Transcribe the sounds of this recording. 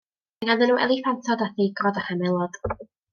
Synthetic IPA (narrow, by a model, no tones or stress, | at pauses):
aŋandənuːʔɛ̰lˠiθantʰɔdaθiɡrɔdaχamɛlˠɔd̥